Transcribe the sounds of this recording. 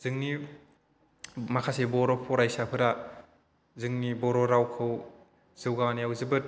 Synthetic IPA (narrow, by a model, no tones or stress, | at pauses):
zɯŋni | makʰasebɔɾɔpʰɔɾajsapʰɯɾa | zɯŋnibɔɾoɾawkʰɯw | z̥ɯwɡanijawzɯbɯt̚